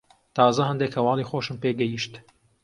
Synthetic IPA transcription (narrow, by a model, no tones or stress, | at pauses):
t̪ʰɑːzɐhɐnd̪ekhɐwɑːlixoːʃɨmpeːɡɛjiʃt̪